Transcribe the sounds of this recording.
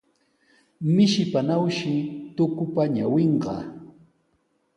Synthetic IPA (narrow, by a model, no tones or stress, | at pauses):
mɪʃɪpanawʃɪt̪ʊkʊpaɲaweɴɢɑ̰